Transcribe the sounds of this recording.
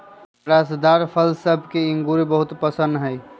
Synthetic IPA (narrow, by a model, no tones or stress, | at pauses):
ɾasd̪aɾpʰəlsəbʱkeiŋɡuɾebəɦut̪pəsə̃nd̪ɦəj